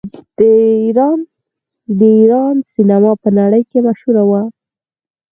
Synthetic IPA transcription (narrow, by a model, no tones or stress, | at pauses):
d̪̥əiɾɑn | d̪əiɾɑnsinamɑpənaɽəjkemaʃhuɾawa